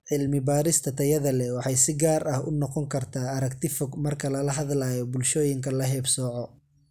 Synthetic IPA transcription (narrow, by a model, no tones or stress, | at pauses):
ʕɪlmɪbaːɾɪst̪ʰɐt̪ʰɐjɐðɐlɛwɑħɑjsɪɡaːrɐhʊnɔqɔŋkʰɐrt̪ʰaːɐɾɐkt̪ʰɪfɔɡmɐrkʰɐlɐlɐɦɐðlaːjɔbʊlʃɔːjɪŋkʰɐlɐɦɛːbsɔːʕɔ